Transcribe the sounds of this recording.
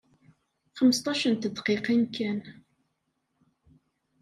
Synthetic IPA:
χəməst̪ˤɑʃənt̪əd̪qiqinkæn

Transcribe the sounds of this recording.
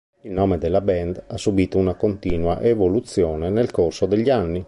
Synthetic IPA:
ilnoːmed̪elːabɛnd̪asːubiːt̪ounakont̪iːnwa̰ʔevolut̪sːjoːnenelkorsod̪eʎːianːi

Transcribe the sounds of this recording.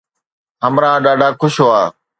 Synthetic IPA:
ɦəmɾãːɗaːɖʱaːkʰʊʃɦoaː

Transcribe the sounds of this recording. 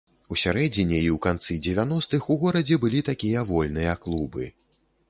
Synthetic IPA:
usʲaɾɛd͡zʲinʲɛiwkant̪sɨd͡zʲɛvʲan̪ɔst̪ɨxuɣɔɾɐd͡zʲɛbɨlʲit̪akʲijɐvɔlʲnɨjɐklˠubɨ

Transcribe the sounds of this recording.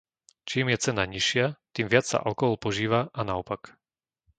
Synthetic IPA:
t͡ʃiːmjɛt͡sɛnaɲiʃɪat̪iːmʋɪat͡ssa̰ʔa̰lkɔɦɔlpɔʒiːʋaʔanaɔpak

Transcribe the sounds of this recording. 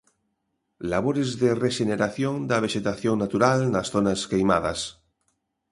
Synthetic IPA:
laβ̞oɾezðereʃeneɾaθjond̪aβ̞eʃet̪aθjoŋnat̪uɾalnasθonaskejma̰ð̞as

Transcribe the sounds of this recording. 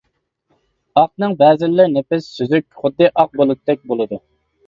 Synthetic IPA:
ɑqnɨŋbɛːzɪlːɪɾnepɪsːyzykʲχʊd̪ːɨʔɑq̚bolˠɨd̪ɨd̪ɛk̚ʲbolˠɨd̪u

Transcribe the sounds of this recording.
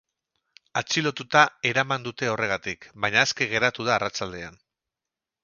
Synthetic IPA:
at͡ʃilo̞t̪ut̪ae̞ɾamand̪ut̪e̞o̞re̞ɣ̞at̪ikbaɲaeske̞ɣ̞e̞ɾat̪uð̞aːrat͡ʃald̪e̞an

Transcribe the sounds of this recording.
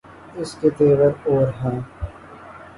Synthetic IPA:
ɪsket̪eːʋəɾoːɾɦɛ̃ː

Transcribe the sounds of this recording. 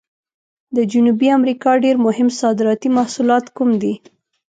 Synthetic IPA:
d̪əd͡ʒunubiamɾikɑɖeɾmʊhɪmsɑd̪ɪɾɑt̪imahsulɑt̪kumd̪i

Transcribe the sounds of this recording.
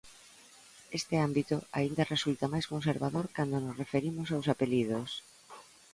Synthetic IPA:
est̪ɪambit̪ʊaind̪ɐresult̪amajskonseɾβaðoɾkand̪onosrefeɾimʊsawsapelið̞os

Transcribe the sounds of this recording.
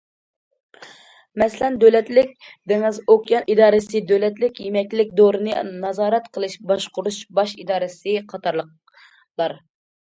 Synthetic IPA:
mɛslɛnd̪ølɛt̪lɪkʲd̪eŋɪzokʲjɑnid̪ɑːɾɨsɨd̪ølɛt̪lɪkʲjemɛkʲlɪkʲd̪oɾɨnɨnɑzɑːɾɛt̪qʰəlˠɨʃbɑʃqʊɾuʃbɑʃid̪ɑːɾɨsɨqʰɑt̪ʰɑɾlˠəq̚ | lˠɑɾ

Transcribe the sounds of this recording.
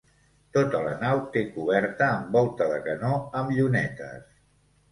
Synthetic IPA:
t̪ot̪ələnawt̪ekuβɛɾt̪əːmbɔlˠt̪əðəkənoəmʎunɛt̪ə̰s

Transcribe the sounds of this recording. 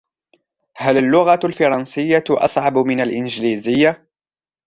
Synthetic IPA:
halalːʊɣalfɑɾˤɑnsɪjːaʔɑ̰sˤʕɑbmɪnalʔɪnd͡ʒliːzɪjːa

